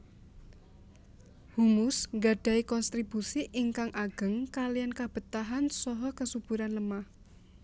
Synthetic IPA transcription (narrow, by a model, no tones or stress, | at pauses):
humʊsŋɡaɖ̥ä̤ikɔnst̪ɾib̥usiʔiŋkaŋʔaɡ̥ə̤ŋkalijankab̥ə̤t̪aɦansɔɦɔkəsub̥ṳɾanləmah